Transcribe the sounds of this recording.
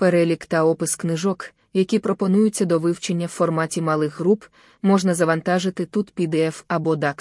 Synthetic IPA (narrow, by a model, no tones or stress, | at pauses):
peɾɛlʲikt̪ɐɔpɪsknɪʒɔk | jɐkʲipɾɔpɔnujʊt͡sʲːɐd̪ɔʋɪwt͡ʃenʲːɐwfɔrmɑtʲimɐlˠɪxɦɾup | mɔʒnɐzɐʋɐnt̪ɑʒɪt̪ɪt̪ut̪pʲid̪ɪɛfɐbɔd̪ɑk